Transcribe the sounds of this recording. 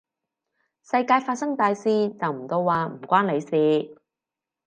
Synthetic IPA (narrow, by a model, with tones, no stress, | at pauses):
sɐ˧jkaː˧jfaː˧t̚sɐ˥ŋt̪aː˧jsiː˧t͡sɐ˨wm̩˨˩t̪o˧wwaː˨˧m̩˨˩kʷaː˥nle˨˧jsiː˨˧